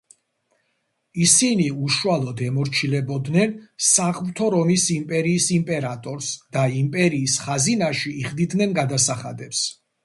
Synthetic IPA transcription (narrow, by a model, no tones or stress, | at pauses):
isiniuʃualˠɔd̪ɛmɔɾt͡ʃʰilɛbɔd̪nɛnsaʁmt̪ʰɔɾɔmisimpʼɛɾiːsimpʼɛɾat̪ʼɔɾsd̪̥aimpʼɛɾiːsχazinaʃiːχd̪id̪nɛnɡad̪asaχa̰d̪ɛps